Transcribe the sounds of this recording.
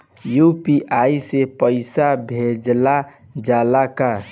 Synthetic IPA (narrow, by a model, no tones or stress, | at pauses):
jupiʔaisepəɪsabʱed͡ʒla | d͡ʒaːlaka